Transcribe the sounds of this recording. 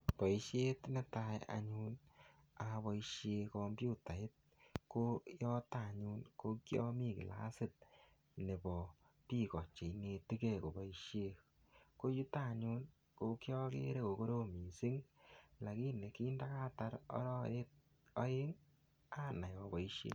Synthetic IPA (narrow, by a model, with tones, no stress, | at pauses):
pɔ˨i˦ʃe˦tnɛ˦ta˦ja̰˨ɲu˦n | a˨˧βɔ˨i˦ʃe˧kɔ˧mbju˦ta˨ɪ˦t̚ | ko˦jɔ˦ta˦˨ɲu˦nko˦kjɔ˦mi˦kɪ̰˨la̰˦sɪ˦t̚ | ne˨bɔ˨ | pi˦˨kɔ˨t͡ʃe˨i˦ŋe˧ti˦ke˦˨ko˨bɔ˨i˦ʃe˦ | ko˦ju˦ta˦˨ɲu˦n | ko˦kjɔ˦kḛ˦ɾe˦ko˨ko˦ɾo˦mi˨si˦ŋla˨ki˦ne˨ki˦nda˦ka˦ta˦ɾɔ̰˦ɾɔ˦˨e˦t̚ | ɔ˦ɪ˦ŋ | a˦na˨jɔ˨bɔ˨i˦ʃḛ˦